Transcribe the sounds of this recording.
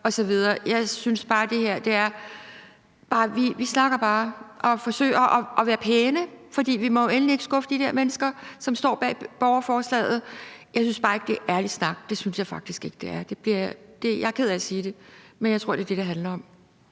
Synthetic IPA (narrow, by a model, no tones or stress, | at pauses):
ɒ̽sɒ̽ʋið̞ˠɐːjɑ̈ɪsynsb̥ɑ̈ːd̥e̝heɐ̰d̥e̝æɐ | b̥ɑ̈ːʋiʋisnɑ̈ɡ̥ɐb̥ɑ̈ːʔɒ̽fɒ̽sø̰ɪ̰ɐʔɒɒ̽ʋæːɐpʰeːnəfɒ̽d̥ḭːʋimɒ̽enlie̝ɡ̥sɡ̥ɔ̽fəd̥id̥ɛɐ̰menəsɡ̥ɐsɒ̽msd̥ɒ̰ːb̥ɛ̰ːb̥ɒʊɐfɒːslɛ̰ːð̞̩ˠjɑɪs̬ynsb̥ɑ̈ːe̝ɡ̥̚d̥e̝ʔæɐli̥snɑ̈ɡ̥̚d̥e̝synsjɑ̈ɪfɑ̈ɡ̥̚d̥isɡ̥e̝ɡ̥d̥e̝æɐd̥e̝b̥liɐd̥e̝jɑ̈ɪkʰeð̰ˠæsiːd̥e̝menjɑɪt͡sʰʁo̝ɐ̰̥e̝ɐd̥e̝dɾeɦænlɐɒ̽m